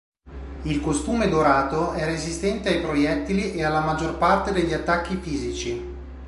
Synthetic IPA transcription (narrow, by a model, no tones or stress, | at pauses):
ilkost̪uːmed̪oɾaːt̪oɛrezist̪ɛnt̪eajpɾojɛt̪ːiliʔealːamad͡ʒːorpart̪ed̪eʎːiat̪ːakːifiːzit͡ʃi